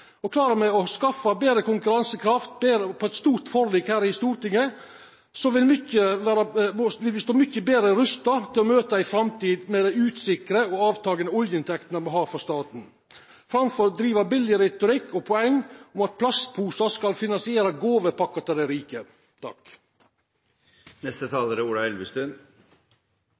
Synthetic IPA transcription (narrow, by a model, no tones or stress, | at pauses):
ɔkʰlɑːɾəmɛɔskɑfːɑbeːɾəkʊŋkʉɾɑnsəkʰɾɑft̪̚beːɾəpʰɔɛt̪st̪uːɾʈ̪fɔɾliːkhæːɾɪst̪uːɾt̪ɪŋːə | sɔʋɪlmʏçəʋæːɾəʋɪlʋɪst̪oːmʏçːəbeːd̪ɾəɾʉst̪ɑt̪ʰɪlɔmøːt̪əæɪfɾɑmt̪iːd̪mɛd̪æɪʉːt̪sɪkɾəɔɑːʋt̪ʰɑːɡənəɔljəɪnt̪ʰɛkt̪ənəmɔɦɑːfɔst̪ɑːt̪n̩ | fɾɑmfɔɾd̪ɾiːʋəbɪlɪəɾɛɪt̪ʊɾɪkːɔpʰɔɛŋʊmɑt̪̚pʰlɑst̪̚pʰuːsɑskɑlfɪnɑnsɪeːɾɑɡoːʋəpʰɑkːɑt̪ɪd̪æɾiːkə | t̪ʰɑ̰k | nɛst̪ət̪ʰɑːləɾəuːɖɑɛlʋəst̪ʉn